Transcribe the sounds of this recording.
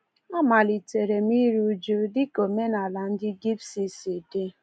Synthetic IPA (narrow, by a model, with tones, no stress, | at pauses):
a˦ma˨li˨te˨ɾe˨m̩˦i˦ɾu˦d͡ʒu˦dɪ˦ko˨me˦na˨la˨n̩˦dɪ˦ɡi˦psi˦si˨de˦